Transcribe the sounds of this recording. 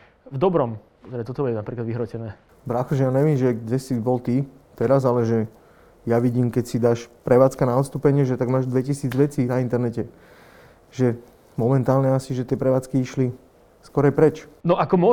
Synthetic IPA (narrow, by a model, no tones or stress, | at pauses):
vd̪ɔbɾɔm | t̪ɾɛt̪ɔt̪ɔbuɛnapɾiːklad̪ʋiɦɾɔcɛnɛː | bɾaxɔʒɛjaːɲɛʋiːmʒɛɡɟɛsibɔlt̪iː | t̪ɛɾazalɛʒɛ | jaʋiɟiːmkɛcsid̪aːʃpɾɛʋaːt͡skanaɔt̪st̪uːpɛɲɪɛʒɛt̪aɡmaːʒd̪ʋɛcisiːd͡zʋɛt͡siːnaint̪ɛɾnɛcɛ | ʒɛ | mɔmɛnt̪aːlɲɛasiʒɛt̪ɪɛpɾɛʋaːt͡skiiʃli | skɔɾajpɾɛt͡ʃnɔʔakɔmɔ